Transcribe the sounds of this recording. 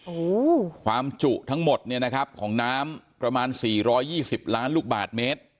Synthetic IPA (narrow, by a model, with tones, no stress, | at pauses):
ʔoː˧˩kʰwaː˧mt͡ɕu˨˩ʔt̪ʰa˦˥ŋmo˨˩t̪̚ni˥˩ɐna˦˥kʰa˦˥p̚kʰɔː˩˦ŋnaː˦˥mpɾa˧maː˧nsiː˨˩ɾɔː˦˥jːiː˥˩si˨˩p̚laː˦˥nluː˥˩k̚ba̰ː˨˩t̪̚meː˦˥t̪̚